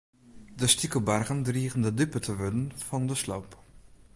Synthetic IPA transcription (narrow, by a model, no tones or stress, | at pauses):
dəstikəbarɣəndriəɣəndədypətʰəʋødənfɔndəslowp